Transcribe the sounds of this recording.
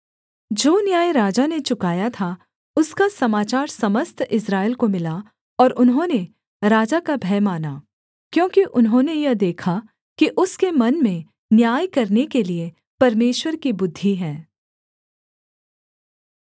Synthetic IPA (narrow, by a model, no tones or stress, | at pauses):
d͡ʒoːnjaːjɾaːd͡ʒanet͡ʃʊkaːjat̪ʰa | ʊskasɐmaːt͡ʃaːɾsɐməst̪ʰɪsɾaːɪlkomɪla | ɔːɾʔʊnɦõːne | ɾaːd͡ʒakabʱɛːmaːna | kjõːkiʔʊnɦõnejɐd̪eːkʰa | kiʔʊskemɐnmẽ | njaːjkɐɾnekelie | pɐɾmeːʃwəɾkibʊd̪ʱːiɦɛ̃ː